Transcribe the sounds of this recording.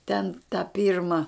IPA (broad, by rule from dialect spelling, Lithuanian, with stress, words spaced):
tʲɛn tɐ ˈpʲiːrmɐ